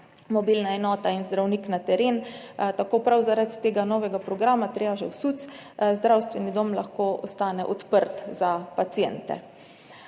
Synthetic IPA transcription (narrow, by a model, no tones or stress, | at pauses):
mɔbilnaɛnɔːt̪ainzd̪ɾawniknat̪ɛɾeːnt̪akoːpɾawzaɾat̪t̪eːɡanɔːʋɛɡapɾɔɡɾaːmat̪ɾeːbaʒɛwsut̪s | zd̪ɾawst̪ʋɛnid̪omlaxkoɔst̪aːnɛʔɔt̪pəɾt̪zapat̪sijɛːnt̪ɛ̰